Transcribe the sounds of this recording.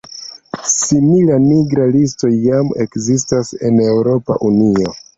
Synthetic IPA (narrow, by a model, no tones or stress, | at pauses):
similamiɡɾalis̬to̞jːame̞kzistase̞ne̞wɾo̞pa̰ʔunio̞